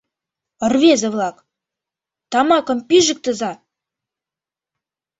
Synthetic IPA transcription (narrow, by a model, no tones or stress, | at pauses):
ə̆rvezəvlˠɑk | t̪ɑmɑkə̆mʲpʲiʒə̆k̚t̪ə̆zɑ